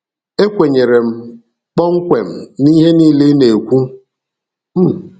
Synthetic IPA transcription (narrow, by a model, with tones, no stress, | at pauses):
e˦kʷe˨ɲe˨ɾe˨m̩˦ | k͡pɔ˦ŋ̩˦kʷe˨m̩˨ni˦ɦe˦niː˦le˦ne˨kʷu˦ | m̩˦